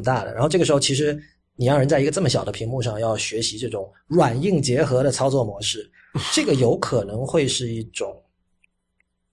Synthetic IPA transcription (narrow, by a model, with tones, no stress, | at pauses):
t̪a˥˩d̪ə̰˩a˧˥xʈ͡ʂɤ˥˩ʂɻxo˧t͡ɕʰi˧˥ʂ̬ɻ̩˧˥ | ni˨˩jɑ˥˩ŋɻə˧˥nt͡sa˥˩ɪ˧˥ɡə˧ʈ͡ʂɤ˥˩mə˩ɕjɑ˨˩ʊd̪ə˦pʰi˧˥ŋmu˥˧ʂɑ˥˧ŋjɑ˥˩ʊɕɥɛ˧˥ɕi˧˥ʈ͡ʂɤ˥˩ʈ͡ʂʊ˨˩˦ŋ | ɻwa˨˩ni˥˩ŋt͡ɕjɛ˧˥xɤ˧˥ɾə˧t͡sʰɑ˥ʊt͡swɔ˥˩mwɔ˧˥ʂɻ̩˥˩ | ʈ͡ʂɤ˥˩ɡə˩jo˧˥ʊkʰɤ˨˩nɤ˧˥ŋxwe˥˧ɪʂɻ̩˥˧i˥˩ʈ͡ʂʊ˨˩˦ŋ